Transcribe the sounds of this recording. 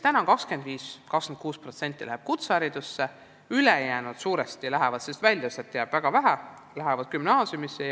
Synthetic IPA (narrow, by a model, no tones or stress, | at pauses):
t̪ænɑŋkɑkskend̪viːskɑksend̪̚kuːspro̞t̪se̞nt̪ˑːilæ̰heb̥̚kut̪sæɾid̪̥usːe | yleejæːnud̪̥suːɾest̪ilæɦɛvɑd̪sest̪vælʲjɑset̪ːjæːb̥væɡ̥ɑvæɦæ | læɦɛvɑd̪̥̚kymnɑːsjumisːe